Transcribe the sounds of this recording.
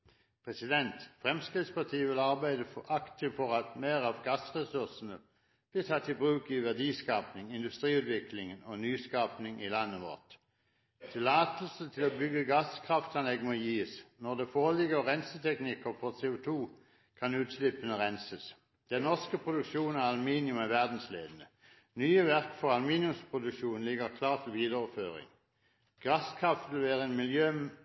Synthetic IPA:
pʰʁɛsɪd̪ɛnt̪fʁɛmskʁid̪spɑt̪ʰiːəʋɪlɑʁbæɪd̪əʔɑkt̪ɪfɔʁɑt̪meːʁɑʋɡɑsʁɛsʉʁsn̩ə | b̥liːt̪ʰɑt̪ʰːɪbʁʉːkiʋæɐd̪iːskɑːpnɪŋɪnd̪ʉst̪ʁiːʉːd̪ʋɪklɪŋənɔnyːskɑːpnɪŋilɑnːəʋɔ̰ʁt̪ | t̪ʰɪlɑːt̪l̩sət̪ʰɪloːbʏɡəɡɑskʰʁɑft̪ɑnlɛɡnɔjiːsnɔʁd̪ɛfoːʁlɪɡəʁɛnsət̪ʰɛknɪkəʁfɔʁseːʊt̪ʰuː | kʰɑnʉːt̪slɪpənəʁɛnsəs | d̪̥ɛnːɔʁskəpʰʁʊd̪ʉkʃuːnɑɑlʊmiːnɪʉmæʋæʁd̪n̩slḛːd̪n̩ə | nyːəʋæʁkfɔʁɑlmiːnɪʉmspʰʁʊd̪ʉkʃuːn̩lɪɡəʁkʰlɑːʁt̪ʰɪlʋiːd̪əʁɔføːʁɪ̰ŋ | ɡ̥ɑskʰʁɑft̪ʋɪlʋeːʁəeːnmɪljøː

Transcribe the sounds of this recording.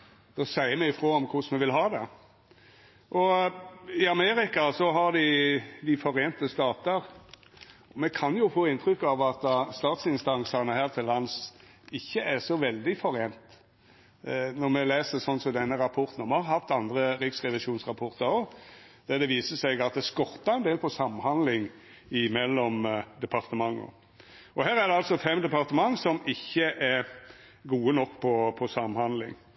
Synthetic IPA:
d̪̥osæɪəmɛɪfɾoːɔmkʰʊsmɛʋɪlɦɑːd̪ɛ | ʔɔ | ɪɑmeːɾɪkɑsɔɦɑɾd̪ɪd̪ɪfɔɾeːnt̪əst̪ɑːt̪əɾ | ɔmɛkʰɑnjʊfoːɪnt̪ʰɾʏkːɑʋɑt̪̚d̪ɑst̪ɑːt̪sɪnst̪ɑŋsɑnəhæːʁt̪ʰɪlːɑns | ɪçːəʔæʁsɔʋɛld̪ɪfɔɾeːnt̪ | nɔɾmɛleːsəsɔnsɔmd̪ɛnːəɾɑpʰɔɾt̪n̩ɔmɛhɑɾhɑft̪ɑnd̪ɾəɾɪksʁɛʋɪʃuːnsʁɑpʰɔʁt̪ɑɾɔ | d̪̥æd̪ɛʋiːsəsɛɡɑt̪̚d̪ɛskɔʁt̪ːɑɛnd̪eːlpʰɔsɑmːhɑnd̪lɪŋ | ɪmɛlːɔmd̪ɛpʰɑʁt̪əmɑŋːə̰ | ɔɦæːɾæʁd̪ɛɑlsɔfɛmd̪ɛpɑʁt̪əmɑŋːsɔmɪçːəʔæɾ | ɡuːənɔkːpʰɔpʰɔsɑmhɑnd̪lɪ̰ŋ

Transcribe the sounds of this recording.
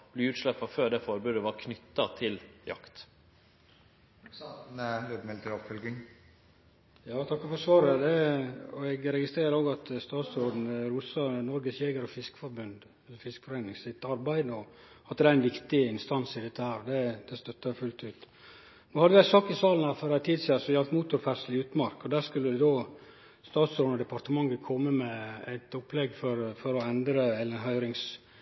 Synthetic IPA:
b̥liʉːt̪ʃlɛpːɑføːɖ̪ɛfɔɾbʉːd̪əʋɑɾkʰnʏt̪ːɑt̪ʰɪljɑ̰kt̪ | ɾød̪mɛlt̪əɾɔpfœlɡɪŋ | jɑːt̪ʰɑkːəfɔsʋɑːɾəd̪ɛɔɛɡɾɛɡɪst̪ɾeːɾəɾoːɡɑt̪st̪ɑːt̪soːd̪n̩ɾusɑnɔɾɡəsjeːɡəɾɔfɪskə̥fɔɾbʉnd̪ | ɛlːəɾfɪskə̥fɔɾæɪnɪŋsɪt̪ːɑɾbæɪd̪əɔ | ɑt̪ːd̪æɪnʋɪkt̪ɪɪnst̪ɑnsɪd̪ɛt̪ːəhæːɾd̪ɛd̪̥ɛst̪œt̪ːɑfʉlt̪ʉːt̪ | noːhɑd̪əʋɪæsɑːkɪsɑːln̩hæːɾfɔɾæɪt̪ʰiːd̪siːɑsɔjɛlt̪muːt̪ʊɾfæɾslɪʉːt̪mɑɾkɔd̪æːskʉlːəd̪ɛd̪oː | st̪ɑːt̪sɾoːd̪nɔd̪ɛpɑɾt̪əmɑŋːəkʰɔmːəmɛæ̰ɪt̪ʊplɛɡfɔɾfɔɾɔɛnd̪ɾəɛləɾɛnɦœʏɾɪŋs

